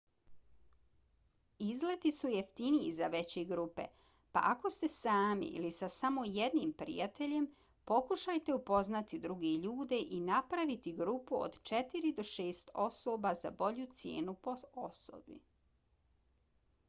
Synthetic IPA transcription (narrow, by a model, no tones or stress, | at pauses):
izlet̪isujeft̪iniizaʋe̞t͡ɕeɡɾupḛ | pa̰ʔako̞st̪e̞saːmḭʔḭlisasamo̞jed̪niːmpɾḭjat̪e̞ʎe̞m | po̞kuʃajt̪e̞upo̞znat̪id̪ɾuɡeʎuːd̪eʔinapɾaʋit̪iɡɾuːpuo̰d̪t͡ʃet̪iɾid̪o̞ʃeːst̪o̞sobaza̰bo̞ʎut̪sjḛːnupooso̰bḭ